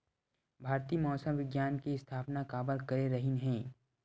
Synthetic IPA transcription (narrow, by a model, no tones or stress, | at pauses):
bʱaːɾt̪iːmɔːsəmʋɪɡjaːnkiɪst̪ʰaːpnakaːbəɾkɐɾeɾɐɦɪnɦɛ̃ː